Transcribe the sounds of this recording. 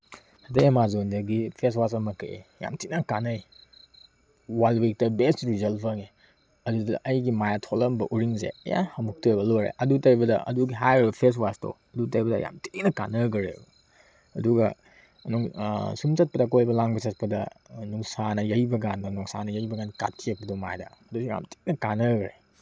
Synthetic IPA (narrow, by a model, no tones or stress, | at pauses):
ɐdejɐmazondɐɡipʰeswasɐmɐkɐ̰ḛja̰mtʰinakanɐj | walwik̚tɐbestɾizɐlpʰɐŋe | ɐdudɐ̰ʔɐjɡimajatʰolɐmbɐʔuɾiŋsḛɐ̰ja̰hɐmuk̚tojbɐloɾḛʔɐdutɐɾibɐdɐ̰ʔɐ̰duɡiɦajɾbɐpʰes̬wasto̰ | ɐdutɐɾibɐdɐ̰ja̰mti̥k̚nɐka̰nɐɡɾḛbɐ | ɐduɡɐ | nuŋsumt͡ʃɐt̚pɐdɐk̬ojbɐlaŋbɐt͡ʃɐt̚pɐdɐnuŋsanɐjɐjbɐɡandɐnɔŋsanɐjɐjbɐɡankatʰːiɐk̚pɐdoma̰jdɐ̰ɐdusija̰mti̥k̚nɐkanɐɡɐɾe